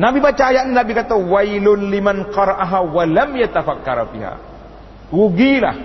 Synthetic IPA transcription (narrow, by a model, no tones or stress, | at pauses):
nabibət͡ʃajaʔnabikat̪awajlʊnlimanqɑɾˤɑʔaɦawalamjat̪afakːɑ̰ɾˤfḭɦa̰ | wuɡila̰h